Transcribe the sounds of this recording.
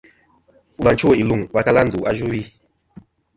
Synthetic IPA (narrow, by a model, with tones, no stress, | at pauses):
va˨nt͡ʃo˦˨i˨lu˨ŋwa˦ta˦la˦n˨du˨ʔa˦ʒu˦wi˦